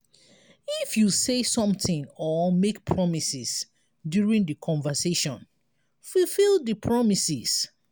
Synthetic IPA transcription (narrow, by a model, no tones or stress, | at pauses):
ifjusesɔ̃mθĩŋɔmekpʰɹɔmisis | djuɹĩŋdəkʰɔ̃nvəseʃɔ̃n | fulfilˠdəpʰɹɔmisis